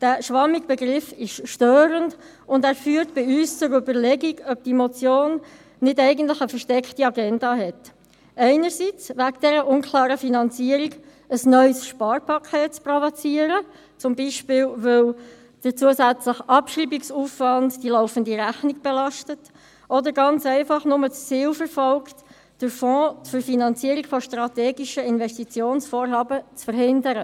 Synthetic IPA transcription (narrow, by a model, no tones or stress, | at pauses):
d̥æːʃʋɑmːiɡ̚b̥ɛɡʁɪfɪʃʃtøːɾənd | ʊndæːɾfyːɾtb̥ɪyːst͡sʊɾʏbəɾlɛɡiɡœb̚d̥imot͡sjoːnː | ɪdɛɪɡəntlɪχəfəɾʃtɛkχtiɑɡɛndɑːɦɛt | ʔɛɪnəɾsit͡sʋækd̥ɛɾəʔʊnkʰlɑːɾəfinɑnt͡siəɾiɡ | əsnœʏsʃpɑːɾpʰɑkʰɛːtt͡sprovot͡siːəɾə | t͡sʊmbiːʃpɪːlʋɪl | d̥əɾt͡suəsæt͡sləχɑpʃriːbiksuːfvɑndd̥ilɔʊfəndiɾæχnik̚b̥ɛlɑʃtət | ʔɔdəɾɡɑnt͡sɛɪfɑχnʊmət͡st͡siːlfəɾfɔlkt | d̥əɾfɔ̃ːfʏɾfinɑnt͡siːəɾikfɔʃtʁɑtɛːɡiʃəɪnvɛstit͡sjoːnsfoːɾɦɑːbət͡sfəɾɦɪndəɾə